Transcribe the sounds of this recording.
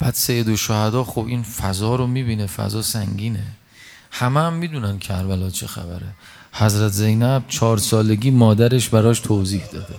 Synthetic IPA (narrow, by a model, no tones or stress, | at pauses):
b̥æːd̪̥sejːed̪oʃohæd̪ɒːxobiːnfæzɒːɾomiːbiːnefæ̰zɒːsæŋɟiːne | hæmææmːiːd̪unæncʰæɾvælɒːt͡ʃʰexæ̰bæ̰ɾe | hæzɾæt̪ʰze̞jnæb̥̚t͡ʃʰɒːɾsɒːle̞ɡiːmɒːd̪æɾe̞ʃbæɾɒːʃt̪ʰoziːhd̪ɒːd̪e